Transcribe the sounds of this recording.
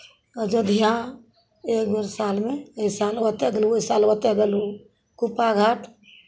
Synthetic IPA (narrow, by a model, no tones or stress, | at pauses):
əd͡ʒəd̪ʱija | ekbəɾsalmeisalwət̪jaɡeluisalwət̪aɡelu | kupaɡʱaʈʰ